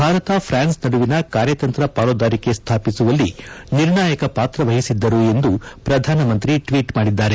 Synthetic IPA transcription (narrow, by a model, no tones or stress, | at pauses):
bʱaːɾɐt̪ɐpʰɾaːnsnɐɽuʋinɐkaːɾjɐt̪ɐnt̪ɾɐpaːlod̪aːɾike̞st̪ʰaːpisuʋɐlːiniɾɳaːjɐkɐpaːt̪ɾɐʋɐɦisid̪ːɐɾue̞nd̪upɾɐd̪ʱaːnɐmɐnt̪ɾiʈʋiːʈmaːɽid̪ːaːɾe̞